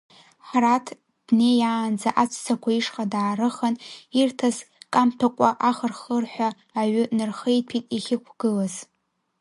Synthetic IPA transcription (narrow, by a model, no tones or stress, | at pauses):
ħratʰ | d̥ne̞jaːnd͡zaʔat͡ʃʷʰt͡sʰakʷʰaiʂqʼadaːɾɨχanirtʰaskʼamtʰakʷʼaʔaχərχərħʷᶣaː | ɥʏnɨrχejtʰitʼiχʲɪkʷʰɡ̥ɨlaz